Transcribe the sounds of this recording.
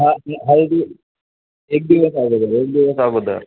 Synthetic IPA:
ɦãaɦalʈ̪i | ek̚d̪iʋəsaɡod̪aɾek̚d̪iʋəsaɡod̪a̰ɾ

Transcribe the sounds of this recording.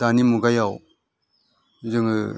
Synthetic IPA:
danimuɡajaw | zɯŋ

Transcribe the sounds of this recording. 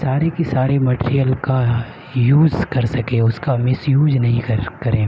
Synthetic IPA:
saːɾekisaːɾemɐʈːɾijəlka | juːzkɐɾsɐkẽːʊskamɪsjuːd͡ʒnɐɦĩkkɐɾẽː

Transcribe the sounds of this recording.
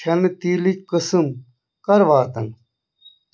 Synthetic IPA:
ɐnit̪iːlit͡ɕkəsɨm | kɐɾʋaːt̪ɐn

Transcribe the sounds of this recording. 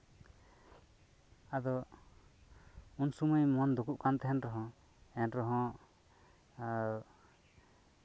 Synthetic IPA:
ad̪ɔ | unsumujmɔnd̪ukuʔkant̪ɛɦɛnɾɔɦɔ̃ | ɛnɾɔɦɔ̃

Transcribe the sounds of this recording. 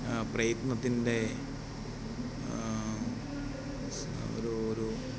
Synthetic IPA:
prɐjɐt̪nɐt̪ːinde̞ | o̰ɾuoɾu

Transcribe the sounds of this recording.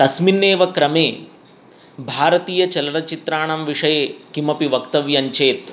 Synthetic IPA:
t̪ɐsminːeːʋɐkɾɐmeː | bʱaːɾɐt̪iːjɐt͡ʃɐlɐnɐt͡ʃit̪ɾaːɳɐmʋiʂɐjekimɐpiʋɐkt̪ɐʋjɐɲt͡ʃeːt̪

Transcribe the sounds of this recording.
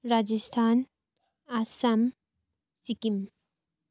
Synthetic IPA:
ɾaːd͡ʒəst̪ʰaːn | asɐm | sikim

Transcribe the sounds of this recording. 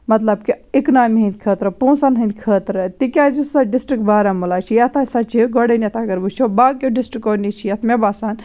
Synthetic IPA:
mɐt̪lɐb̚kiiknaːmeɦĩnd̪̚ʲkʰət̪ɾɐpõːnsɐnɦɐ̃nd̪kʰəːt̪ɾɐt̪ikʲad͡ʒusɐɖisʈɾikbaːɾɐmulaːt͡ʃʰijɐt̪ʰasat͡ʃʰiɡɐɽɐnet̪ʰakɐɾbut͡ʃʰobaːɡ̚ʲjoɖisʈɾikonit͡ʃʰijɐt̪ʰmebaːsaːn

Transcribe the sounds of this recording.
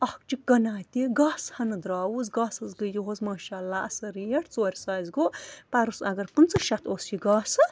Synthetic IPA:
ɐhkt͡ʃik̚ɡɐnaːt̪iɡaːshɐnɨd̪ɾaːwuzɡaːsɐzɡɨjoɦozmaːʃaːlːaːʔɐsɐɾijɐʈʰt͡soːɾʲsaːjzɡopɐɾusɐɡɐɾkunt͡sɨʃɐt̪osiɡaːsɨ

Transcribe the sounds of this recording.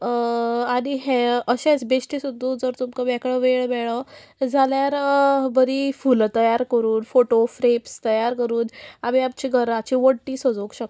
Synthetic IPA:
aɽ̃iɦeəɕẽt͡sbesʈisud̪ʱːud͡zəɾt̪umkəbɛkɭəʋeɭmɛɭə | d͡zʱaljaɾbəɾifult̪əjaɾkəɾuːnfoʈofɾepst̪əjaɾkəɾuːnamiamt͡ɕiɡʱəɾat͡ɕiʋəɽʈiːsəd͡zokɕək̪

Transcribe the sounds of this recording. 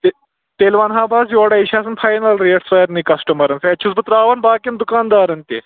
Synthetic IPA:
t̪e | t̪elʋanɦaːbʱaːs̬joːɽɐiɕaːs̬ɐnfʰajnɐlɾeːʈsɐjɐɾnikɐsʈəmɐɾɐnsɛt͡ɕʰusbɨt̪ɾaːʋɐnbaːkjɐmd̪ukaːnd̪aːɾɐnt̪ḛ

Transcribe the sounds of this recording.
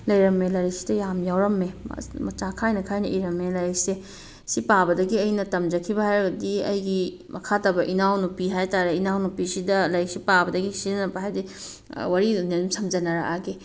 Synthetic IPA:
lɐjɾɐmelɐɾisi̥dɐjamjawɾɐmːḛmɐt͡ʃakʰajnɐkʰajnɐʔiɾɐmːelɐjɾise | sipabɐdɐɡiɐjnɐtɐmd͡ʒɐkʰibɐhajɾɐɡɐdiɐ̰jɡi | mʔɐkʰatabɐʔinawnupiɦajtaɾeinawnupisidɐlɐjɾisipabɐdɐɡisinɐnɐpɐɦajdi | waɾiuninumsɐmd͡ʒɐnɐɾa̰ʔaɡe

